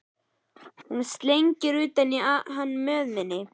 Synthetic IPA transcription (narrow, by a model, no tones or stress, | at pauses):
hunst̪lejɲcɪɾʏːt̪anːiaðɦanːmœːðmɪnːɪ